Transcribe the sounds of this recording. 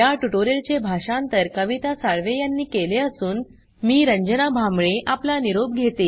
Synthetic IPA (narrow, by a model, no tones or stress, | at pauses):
jaʈuʈoɾelt͡ɕebʱaʂãnt̪əɾkəʋit̪asaɭʋejanːiːkeleəsuːn | miːɾəɲd͡ʑənabʱamɭeʔaplaniɾob̚ɡʱet̪e